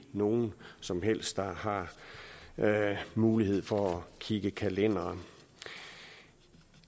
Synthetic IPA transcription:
no̝ːn̩sɒ̽mɦel̰sd̥ɑ̈hɑ̈ | muːlihe̝ð̰ˠfɒ̽ækʰiɡ̥əkʰælen̰ɐ

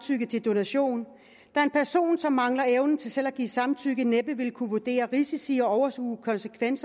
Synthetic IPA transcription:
t͡sʰyɡ̥ət͡sʰe̝ld̥o̝næɕo̝̰ːn | d̥ɑ̈ɐe̝npʰæɐso̝̰ːnsɒ̽mːɑ̈ŋlɐeʊnn̩t͡sʰe̝lsel̰æɡ̥ḭːsɑ̈mt͡sʰyɡ̥əneb̥əʋe̝lkʰuʋod̥e̝̰ːɐʁisisiɒ̽ɒʊɐskṵːkʰɒ̽nsəkʰʋen̰s

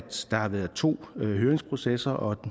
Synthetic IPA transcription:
d̥d̥ɑ̈hɑ̈ʋæɐðˠt͡sʰo̝̰ːɦøːɐʁeŋspʰʁo̝sesɐʔɒ̥̽

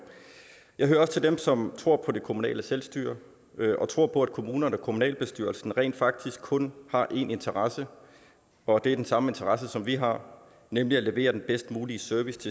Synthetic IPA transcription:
jɑ̈ɪɦøːɐɒ̽sə̥t͡sʰe̝ld̥emsɒ̽mt͡sʰʁo̝ɐ̰pʰɒ̽d̥e̝kʰo̝munɛ̰ːləselsd̥y̰ːɐ | ʔɒ̽t͡sʰʁo̝ɐ̰pʰɒ̽æd̥̚kʰo̝muːnɐnɒ̽kʰo̝munɛ̰ːlb̥e̝sd̥yɐlsn̩ʁɛ̰ːnd̥fɑ̈ɡ̥̚d̥ʰisɡ̥̚kʰːɔ̽nhɑ̈ʔe̝ne̝nt͡sʰɐʁɑsə | ɒ̽d̥e̝æd̥ensɑ̈məe̝nt͡sʰɐʁɑ̈səsɒ̽mʋiɦɑ̈ | nemliæle̝ʋe̝̰ːɐd̥enb̥esd̥muːliəsøɐʋist͡sʰe̝

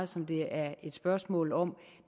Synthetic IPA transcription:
sɒ̽md̥e̝æɐe̝d̥sb̥ɶɐsmɔ̰ːlɒ̽m

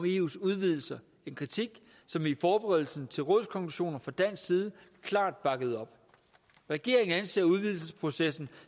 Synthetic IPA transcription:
me̝ːṵːsuð̞ˠʋið̞̰ˠl̩sɐ | e̝nkʰʁit͡sʰiɡ̥ | sɒ̽mifɒːb̥eʁɛðˠl̩sn̩t͡sʰe̝lʁɔ̽ðˠskʰɒ̽ŋkʰluɕo̝̰ːnɐfʁɑ̈d̥æn̰ssiːð̞ˠə | kʰlɑ̈ːd̥̚b̥ɑ̈ɡ̥əð̞̩ˠɒ̽b̥ | ʁaɡ̥e̝̰ɐ̰eŋn̩ænse̝̰ːɐuð̞ˠʋiðˠl̩səspʰʁo̝sesn̩

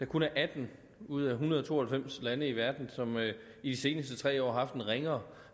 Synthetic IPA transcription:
d̥ɑ̈kʰunæʔæd̥n̩ | uð̞̰ˠæɦunɐðˠɒt͡sʰo̝̰ːɐhelfem̰slænəiʋæɐd̥n̩sɒ̽m | id̥ise̝ːnəsd̥ət͡sʰʁɛ̰ːɒ̰ːɦɑ̈fd̥enʁeŋɐ

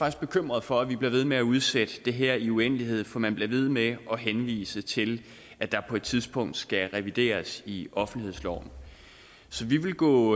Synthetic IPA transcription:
ɑ̈ɡ̥isɡ̥̚b̥e̝kʰøm̰ʁɐð̞ˠfɒ̽æʋib̥liɐʋe̝ð̞ˠmeæuð̞ˠsed̥əd̥e̝ɦeɐ̰iuen̰liɦe̝ð̞̰ˠfɒ̽mænb̥leɐʋe̝ð̞ˠmeʔɒ̽ɦenʋḭːsət͡sʰe̝l | ʔæd̥ɑ̈pʰɒ̽e̝d̥t͡sʰið̞ˠsb̥ɔ̽ŋ̰d̥sɡ̥æʁɛʋid̥e̝̰ːɐsiɒ̽fn̩lihe̝̰slɒ̰ʊ̰n̩ | sɒ̽ʋiʋe̝lɡ̥ɔ̰ː

